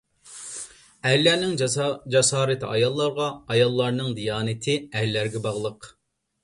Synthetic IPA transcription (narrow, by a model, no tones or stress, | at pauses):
ɛlːæɾnɪŋd͡ʒɛsɑːɾɪt̪ʰɑ̰jɑlˠːɑɾʁɑːjɑlˠːɑɾnɨŋd̪ijɑːnɪt̪ʰɪɛlːæɾɡʲɛbɑʁlˠəq